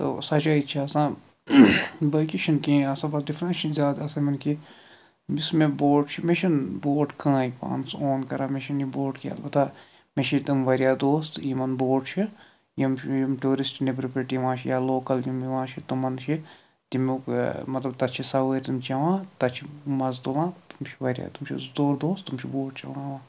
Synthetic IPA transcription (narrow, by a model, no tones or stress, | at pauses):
t̪o̰sɐt͡ʃaːit͡ʃʰiɐsãː | bɐkiʃʰinkĩɐsɐbɐt̪difɾɐt͡ʃʰinzʲaːd̪ɐsɐmɐnki | bismeboːʈt͡ʃʰimeʃʰɐnboːʈkãːipã̰ːnsoːnkɐɾaːmeʃinjiboːʈkia̰lbɐt̪aː | meʃʰit̪umʋɐɾjaːd̪oːst̪jimɐnboːʈt͡ʃʰi | jimjimʈuːɾisʈnebɾɐpɾɐʈijʋãːt͡ʃʰijaloːkɐljimʋãːt͡ʃʰit̪umɐnt͡ʃʰi | t̪imukmɐt̪lɐbt̪ɐt̪t͡ʃʰisɐʋəɾʲt̪umt͡ʃɐʋãːt̪ɐt͡ʃʰimɐzd̪olãːt̪umt͡ʃʰiʋɐɾja̰ːt̪umt͡ʃʰḭzd̪oːɾd̪oːst̪umt͡ʃʰiboːʈ̚t͡ʃɐ̰lãːʋãː